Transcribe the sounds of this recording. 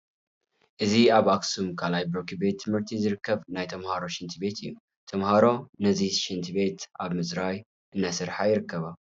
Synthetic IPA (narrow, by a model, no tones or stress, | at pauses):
ʔɨziaβaksumkʰalajbɾokʰibet̪ʰːɨmhɨɾt̪ʰizɨɾɨkʰːɐβnajt̪ʰɐmhaɾo̞ʃɪnt̪ʰibe̞t̪ʰɨjːu | t̪ʰɐmhaɾo̞nɐziʃɨnt̪ʰibe̞t̪ʔaβmɨzɾaj | ʔɨnːasɨɾħajɪɾɨkːɐβa